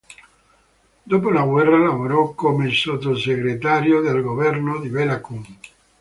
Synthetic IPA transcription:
d̪opolaɡwɛrːalavoɾɔkːomeilsot̪ːoseɡɾet̪aɾjod̪elɡovɛrnod̪ibelakuŋ

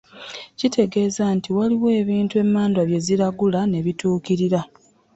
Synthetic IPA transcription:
citʰe̞ɡe̞ːzantiwaliwe̞ːβiːntue̞mːaːndwaβje̞ziɾaɡulane̞βituːkiɾiɾa

